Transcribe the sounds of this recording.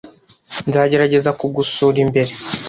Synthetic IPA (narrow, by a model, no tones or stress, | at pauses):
nzaːɟe̞ɾaɟe̞zakuɡusuːɾimbe̞ɾe